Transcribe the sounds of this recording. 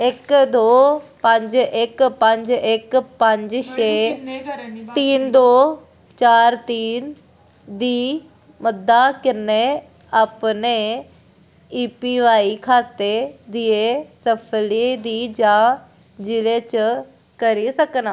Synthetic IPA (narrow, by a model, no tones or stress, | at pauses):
ekd̪oːpɐ̃ɲd͡ʑʔekpɐ̃ɲd͡ʑekpɐ̃ɲd͡ʑʃeː | t̪iːnd̪oː | t͡ɕaːɾt̪iːn | d̪iː | mɐd̪akɪne | ɐpne | iːpiʋaːikʰaːt̪ed̪iesɐpʰəlid̪iːd͡ʑa | d͡ʑɪlet͡ɕə | kɐɾisɐkənaː